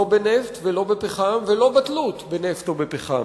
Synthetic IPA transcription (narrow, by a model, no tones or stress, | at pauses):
obeneft̪velo̞bepeχamvelo̞bat̪lut̪beneft̪obepeχa̰